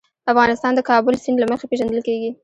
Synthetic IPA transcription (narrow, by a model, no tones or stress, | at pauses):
afɣɑnɪst̪ɑnd̪əkɑbʊlsinlaməxepeʒand̪əlkeɡi